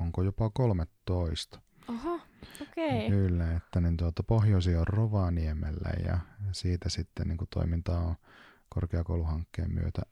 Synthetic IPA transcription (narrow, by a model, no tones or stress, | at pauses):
oŋkojopɑkolmet̪ːoist̪ɑ̥ | ɑhɑokekylːæet̪ːænint̪uot̪ɑpohjosiorroʋɑniemelːæ̰jɑ̰siːt̪æsit̪ːenniːŋkut̪o̰imint̪ɑːon | korkeɑkouluhɑŋkːḛːmmy̰øt̪æ